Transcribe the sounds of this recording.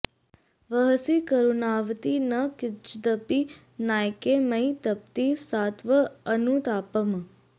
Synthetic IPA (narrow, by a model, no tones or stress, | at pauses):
ʋəɦsikəɾunaːʋt̪inəkɪt͡ʃd̪əpi | naːjkeməjt̪əp̚t̪isaːt̪ʋəːnut̪aːpəm